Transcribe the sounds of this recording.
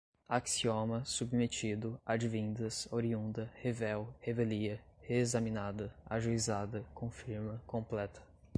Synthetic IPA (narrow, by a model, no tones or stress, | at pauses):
aksiomɐsubmet͡ʃid̪ʊad͡ʒivĩnd̪ɐsoɾiũnd̪ɐhevɛwheveliɐheezɐmĩnad̪ɐa̰ʒuizad̪ɐkõfiɾmɐkõplɛt̪ʰɐ̥